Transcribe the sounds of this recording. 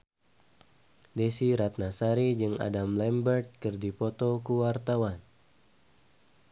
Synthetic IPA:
desiɾat̪̚nasaɾid͡ʒɨŋa̰damlɛmbərt̪̚kɨrdipɔt̪ɔkuwart̪awan

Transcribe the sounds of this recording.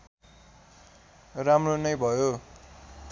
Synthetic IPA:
ramronʌjbʱʌjo

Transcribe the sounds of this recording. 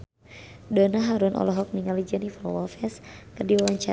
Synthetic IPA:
dɔnaɦaɾunʔɔ̰lɔɦɔk̚niŋalid͡ʒanifəlwɔfɛskɨrdiwawaɲt͡ʃa

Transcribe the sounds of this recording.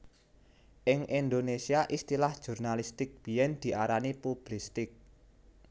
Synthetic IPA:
ʔɪŋʔind̪onesiaʔist̪ilahd̥ʒ̥ṳrnalist̪ɪk̚b̥i̤jɛnd̪̥i̤ʔaɾanipub̥list̪ɪk̚

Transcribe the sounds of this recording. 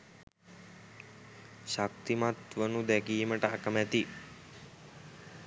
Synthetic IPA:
ʃak̚t̪imat̪ʋənud̪ɛkiːməʈəakəmæt̪i

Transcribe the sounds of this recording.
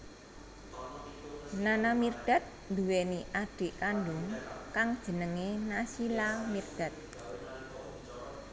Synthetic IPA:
nanamirɖ̪̥a̤t̪̚nd̪uweniʔaɖ̥e̤ʔkanɖʊŋkaŋd̥ʒ̥ə̤nəŋenasilamird̪̥a̤t̪̚

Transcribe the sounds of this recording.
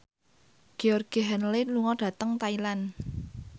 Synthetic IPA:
ɡ̥eɔrɡ̥iɦɛnliluŋɔɖ̥ä̤t̪əŋt̪ailan

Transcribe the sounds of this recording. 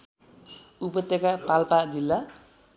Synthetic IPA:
upʌt̪ːekapalpad͡zilːa

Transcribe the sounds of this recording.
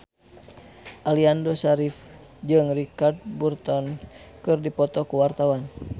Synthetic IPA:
ʔaliandɔsaɾif | d͡ʒɨŋrikard̪̚burt̪ɔnkɨrdipɔt̪ɔkuwart̪awan

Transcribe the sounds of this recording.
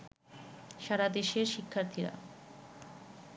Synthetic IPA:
ʃaɾad̪eʃeɾʃikʰːaɾt̪ʰiɾa̰

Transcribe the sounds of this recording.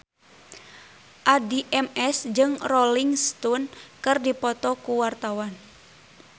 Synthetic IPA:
ʔadiʔɛmɛsd͡ʒɨŋrɔliŋst̪unkɨrdipɔt̪ɔkuwart̪awan

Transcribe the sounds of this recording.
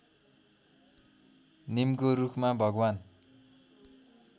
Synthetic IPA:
nimkoɾukʰmabʱʌɡwan

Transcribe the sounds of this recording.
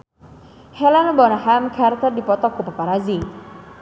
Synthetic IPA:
hɛlanabɔnahamkʰart̪ərdipɔt̪ɔkupapaɾazi

